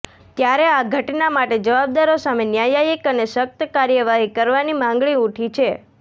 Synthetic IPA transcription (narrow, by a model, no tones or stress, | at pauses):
t̪jaɾeaɡʱəʈnamaʈed͡ʒəʋab̚d̪aɾosamenjajajikəneʃək̚t̪əkaɾjəʋaɦikəɾʋanimãŋɡɭiuʈʰit͡ʃʰe